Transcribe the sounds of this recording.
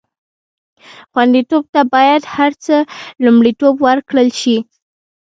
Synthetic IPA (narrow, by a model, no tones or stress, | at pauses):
xwand̪it̪ob̚t̪abɑjad̪haɾt͡səlumɽit̪obwəɾkɽəlʃi